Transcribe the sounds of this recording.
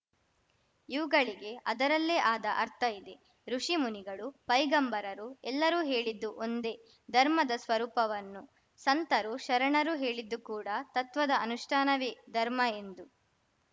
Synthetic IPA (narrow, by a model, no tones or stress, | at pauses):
iʋuɡɐɭiɡe̞ʔɐd̪ɐɾɐlːeːʔaːd̪ɐʔɐɾt̪ʰɐid̪e̞ | ɾuʂimuniɡɐɭupɐjɡɐmbɐɾɐɾuɛlːɐɾuːɦe̞ːɭid̪ːuʔond̪e̞ | d̪ʱɐɾmɐd̪ɐsʋɐɾuːpɐʋɐnːu | sɐnt̪ɐɾuʃɐɾɐɳɐɾuɦe̞ːɭid̪ːukuːɽɐt̪ɐt̪ʋɐd̪ɐːnuʂʈʰaːnɐʋed̪ʱɐɾmɐe̞nd̪u